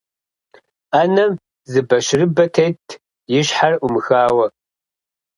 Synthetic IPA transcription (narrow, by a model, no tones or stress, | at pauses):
anɐm | zɨbɐʃrɨbɐtʰejtʰ | jɪɕħarʷʊmɨxaːwɐ